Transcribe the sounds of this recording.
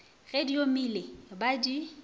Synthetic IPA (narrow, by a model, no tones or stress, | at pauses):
ɣediomilebadi